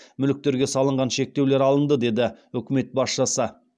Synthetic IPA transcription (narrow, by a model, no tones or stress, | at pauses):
mʏlɪk̚t̪e̞ɾɡʲe̞sɑlˠəɴʁɑnʃe̞k̚t̪ewle̞ɾɑlˠənd̪əd̪e̞d̪ɪɵkʲɪme̞t̪̚bɑsʃəsə